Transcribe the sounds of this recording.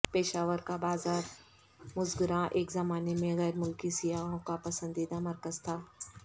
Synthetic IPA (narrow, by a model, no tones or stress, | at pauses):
peːʃaːʋəɾkabaːzaːɾ | mʊzɡʊɾãʔeːkzɐmaːnemẽɣɛːɾmʊlkisijaɦõkapɐsə̃nd̪iːd̪amɐɾkəzt̪ʰaː